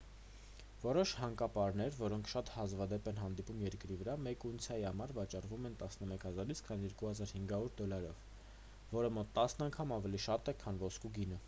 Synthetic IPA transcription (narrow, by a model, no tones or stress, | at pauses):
vɔɾɔʃhɑŋkɑpɑɾnɛɾvɔɾɔŋkʰʃɑt̪hɑzvɑd̪ɛpɛnɦɑnd̪ipumjɛɾkɾivəɾɑmɛkunt͡sʰjɑjihɑmɑɾvɑt͡ʃɑrvumɛnt̪ɑsnəmɛkʰhɑzɑɾit͡sʰkʰɑnjɛɾkuhɑzɑɾhiŋɡɑuɾd̪ɔlɑɾɔv̥ | vɔɾəmɔt̪ːɑsnɑŋkʰɑmɑvɛliʃɑt̪ɛkʰɑnvɔskuɡinə